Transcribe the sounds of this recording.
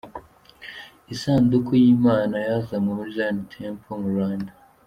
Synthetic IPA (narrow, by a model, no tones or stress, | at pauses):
isaːndukʰujiːmaːnajazamumuʒanitʰempʰomuɾaːndḁ